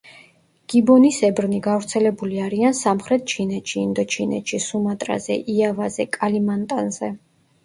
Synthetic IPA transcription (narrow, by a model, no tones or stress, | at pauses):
ɡ̥ibɔnisɛbɾniɡavɾt̪sʰɛlɛbuliaɾiansamχɾɛt̪̚ʰt͡ʃʰinɛt̪ʃiːnd̪ɔtt͡ʃʰinɛt̪ʃisumat̪ʼɾa̰zɛ̰ʔiavazɛkʼalimant̪ʼa̰nzɛ